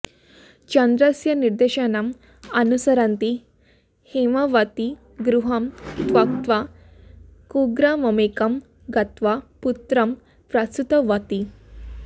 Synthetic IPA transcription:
t͡ɕɐnd̪ɾəsjɐniɾd̪eɕənam | ɐnusɐɾãnt̪i | hemaʋat̪i | ɡɾuɦɐmd̪ʋak̚t̪ʋa | kuɡɾamɐmekɐm | ɡɐt̪ʋaput̪ɾɐm | pɾast̪ut̪əʋat̪i

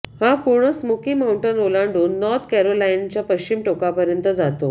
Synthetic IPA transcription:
hapuɽ̃əsmokiːmauɳʈənolãɳɖoːnːɔɾt̪ʰkɛɾolajint͡ɕjapəɕt͡ɕimʈokapəɾjənt̪əd͡zat̪o̰

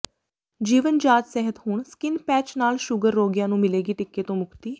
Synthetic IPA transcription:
d͡ʒiːʋənd͡ʒaːt̪sɛɦət̪hʊɳskɪnpɛːt͡ʃnaːlʃʊɡəɾːoːɡjãːnũːmɪleːɡiːʈɪkːeːt̪õːmʊkʰt̪iː

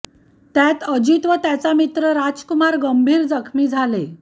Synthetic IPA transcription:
t̪jat̪əd͡ʑit̪ʋət̪jat͡samit̪ɾəɾad͡zkumaɾɡəmbʱiːɾd͡zəkʰmiːd͡zʱale

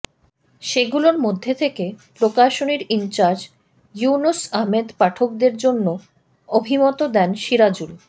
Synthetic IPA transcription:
ʃeɡuloɾmod̪ʱːet̪ʰekepɾokaʃoniɾint͡ɕaɾd͡ʑ | junosaɦmed̪paʈʰok̚d̪eɾd͡ʑonːo | obʱimɔt̪od̪ɛnʃiɾad͡ʑul

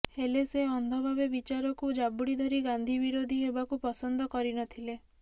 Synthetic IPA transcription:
heleseɔnd̪ʱɔbʱabebit͡ʃaɾɔkud͡ʒabuɽid̪ʱɔɾiɡand̪ʱibiɾod̪ʱiɦebakupɔsɔnd̪ʱɔkɔɾinɔt̪ʰile

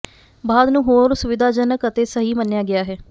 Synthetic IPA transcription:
baːd̪nũːɦoːɾsʊʋɪd̪ʱaːd͡ʒənəkət̪eːsəɦiːmənjaːɡɪaːɦɛː

